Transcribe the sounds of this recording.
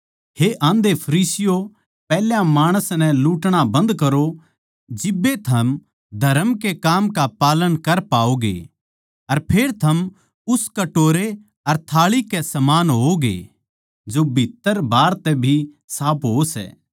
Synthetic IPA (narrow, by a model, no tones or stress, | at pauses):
heʔãːnd̪epʰɐɾiːsɪjo | pɛːljãmaːɽ̃əsnɛ̃luːʈɽ̃abɐ̃nd̪kɐɾo | d͡ʒɪbːet̪ʰɐm | d̪ʱɐɾəmkekaːmkapaːlənkɐɾpaːoɡḛ | ɐɾpʰeːɾt̪ʰɐm | ʊskɐʈoːɾe | ɐɾt̪ʰaːɭikɛsɐmaːnɦoɡḛ | d͡ʒobʱit̪ːəɾbaːɾt̪ɛbʱi | saːpʰɦosɛ̰ː